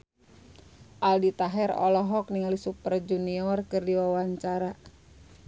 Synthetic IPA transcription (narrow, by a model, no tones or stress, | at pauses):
ʔaldit̪aɦɛɾɔ̰lɔɦɔk̚niŋalisupərd͡ʒuniɔrkɨrdiwawaɲt͡ʃaɾa